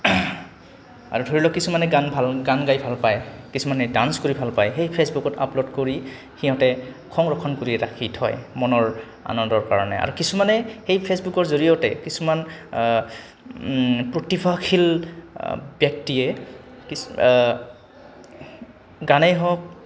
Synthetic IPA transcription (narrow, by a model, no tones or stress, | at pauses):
a̰ɹudʱoɹilɔkisumanɛɡanbʱalɡanɡajbʱalpajkisumanɛdanskoɹibʱalpajxejpʰesbukɔta̰plodkoɹi | xiɦɔtɛ | kʰɔŋɹɔkʰːɔnkoɹiɹa̰kʰitʰɔ̰jmɔnɔɹ | a̰nɔndɔɹkaɹɔnɛ̰a̰ɹukisumanɛxejpʰesbukɔɹzoɹijɔtɛ̰kisuman | pɹotibʰʱakʰil | bjɔk̚tiɛ | ki | ɡanɛjɦɔk̚